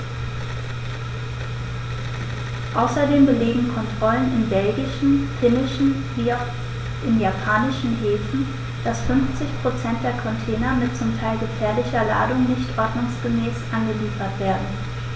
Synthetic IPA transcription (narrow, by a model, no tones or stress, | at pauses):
ʔaʊsɐdeːmbəleːɡŋ̩kʰɔntʁ̥ɔlənɪnbɛlɡɪʃn̩fɪnɪʃn̩ | ʔɪnjapʰaːnɪʃn̩ɦeːfn̩ | d̥asfʏnft͡sɪçpʁ̥ot͡sɛnt̚d̥eːɐkʰɔntʰeːnɐmɪtt͡sʊmtʰaɪlɡəfɛːɐlɪçɐla̰ːdʊŋnɪçtʔɔɐdnʊŋsɡ̥əmɛːsʔanɡəliːfɐtv̥eːɐdn̩